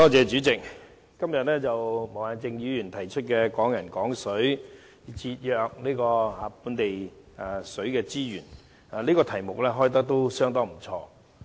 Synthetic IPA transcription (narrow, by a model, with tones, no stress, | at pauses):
t̪ɔː˥t͡sɛː˨˧t͡ʃyː˨˥t͡sɪ˨k̚ | kɐ˥mjɐ˨t̚lɛː˥t͡sɐ˨wmo˨˩waː˨˩nt͡sɪ˧ŋjyː˨˧jy˨˩nt̪ʰɐ˨˩jt͡ʃʰɵ˥t̚kɛː˧kɔː˨˥ŋjɐ˨˩nkɔː˨˥ŋsɵ˨˥ɥ | t͡siː˧t̚jœː˨˧k̚niː˥kɔː˧aː˨˧˥puː˨˧˥nt̪e˨j | a˧sɵ˨˥ɥkɛː˧t͡siː˥jyː˨˩n | a˨˧liː˥kɔː˧t̪ʰɐ˨˩jmʊ˨k̚lɛː˥ɦɔː˥jt̪̬ɐ˥k̚t̪o˥wsœː˥ŋt̪ɔː˥m̩˨˩t͡ʃʰɔ̰ː˧